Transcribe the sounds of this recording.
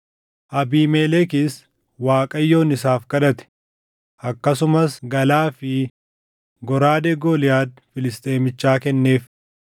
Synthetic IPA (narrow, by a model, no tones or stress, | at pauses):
ʔɐbiːmɛlɛkɪs | waːkʼɐjːo̞ːnɪsaːfkɐᶑɐt̪ɛ̥ | ʔɐkːɐsʊmɐsɡɐlaːfɪ | ɡɔɾaːd̪ɛɡoːlɪjaːd̪̚fɪlɪst̪ʼe̞ːmɪt͡ʃːaːkɛnːe̞ːf